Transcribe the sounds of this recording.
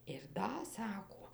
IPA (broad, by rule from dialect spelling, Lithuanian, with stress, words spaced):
ɪr ˈdɐ ˈsɑːkoː